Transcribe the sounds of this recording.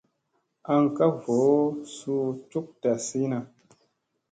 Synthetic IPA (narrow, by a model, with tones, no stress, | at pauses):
a˧ŋka˦vo˨˦su˧tu˦k̚ta˨si˦na˨